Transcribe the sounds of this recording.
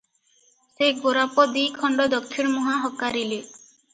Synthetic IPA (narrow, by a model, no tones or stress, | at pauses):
seɡoɾapɔd̪ijkʰɔɳɖɔd̪ɔkkʰːiɾmuɦaɦɔkaɾile